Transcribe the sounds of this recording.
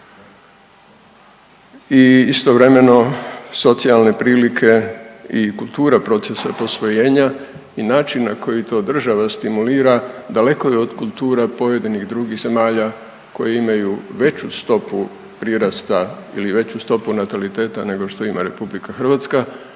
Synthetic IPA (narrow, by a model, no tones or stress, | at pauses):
iist̪o̞ʋɾe̞me̞no̞so̞t̪sialˠne̞pɾiːʋlikʰe̞ikulˠt̪uːɾapɾo̞t̪sesapo̞sʋo̞je̞ːɲa | inaːt͡ʃinːako̞jit̪o̞ːd̪r̩ʒaʋast̪imuliːɾad̪ale̞ko̞jɛod̪kulˠt̪uːɾapo̞je̞d̪iniɣd̪ɾuːɡiɣze̞maːʎa | ko̞̰jeimajuʋe̞t͡ɕust̪o̞pu | pɾiɾast̪a | ḭliʋe̞t͡ɕust̪o̞punat̪alit̪e̞ːt̪ane̞ɡo̞ʃt̪o̞ima̰ɾe̞publikaxr̩ʋat̪ska